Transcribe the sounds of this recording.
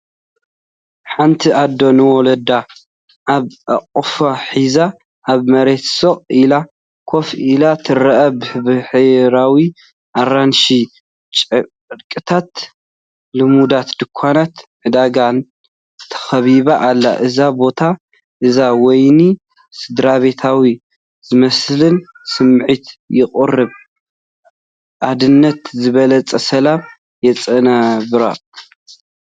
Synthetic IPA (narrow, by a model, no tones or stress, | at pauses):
ħant̪ʰiʔad̪o̞nɨwɔlɐd̪a | ʔaβʔaqʼfaħiza | ʔaβmɐɾe̞t̪soχʼila | kʰo̞filat̪ʰɨrɐʔɐbɨhɨβɨħɨɾawi | ʔaranʃi | t͡ʃʼ | ɾkʼɨt̪ʰat̪ | lɨmud̪at̪d̪ɨkʷʰːanat̪ʕɨd̪aɡan | t̪ʰɐ̥xɐβiβaʔalːa̰ʔɨzabo̞t̪ʰa | ʔɨzawɔjni | sɨd̪ɾaβe̞t̪ʰawi | zɨmɐslɨn | sɨmʕit̪jɪχʼɨrɨβ | ʔad̪ɨnːɐt̪zɨβɐlɐt͡sʼɐsɐlam | jɛt͡sʼɐnɐβɨɾa̰